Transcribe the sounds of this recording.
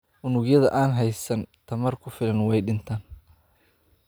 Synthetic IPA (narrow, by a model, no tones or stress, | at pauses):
ʔʊnʊɡjɐðɐ̰ʔaːnɦɛjsɐnt̪ʰɐmɐrkʰʊfɪlɐnwɛjɖɪnt̪ʰaːn